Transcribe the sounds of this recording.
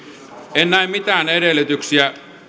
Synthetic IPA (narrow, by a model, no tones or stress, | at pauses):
ennæimmit̪æːnedelyt̪yksiæ